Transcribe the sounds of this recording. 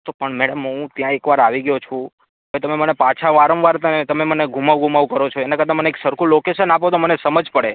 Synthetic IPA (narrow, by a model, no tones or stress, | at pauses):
t̪opəɳmɛɽəmɦũt̪jãekʋaɾaʋiɡəjot͡ʃʰũ | ɦəʋet̪əmemənepat͡ʃʰaʋaɾəmʋaɾt̪ənet̪əmeməneɡʱumaʋɡʱumaʋukəɾot͡ʃʰoenakəɾd̪aməneeksəɾkʰũlokeʃənap̬ot̪̬omənesəməd͡ʒʱpəɽe